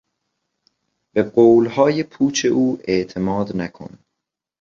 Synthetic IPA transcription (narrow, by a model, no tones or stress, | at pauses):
b̥eɢoːlhɒːjepʰuːt͡ʃʰe̞ʔuːʔeʔt̪ʰe̞mɒːd̪nækʰo̰n